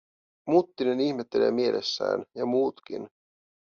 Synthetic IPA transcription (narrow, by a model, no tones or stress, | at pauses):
mut̪ːineniçme̞t̪ːe̞le̞̰ːmie̞lʔḛsːæ̰ːnjɑmuːt̪kḭn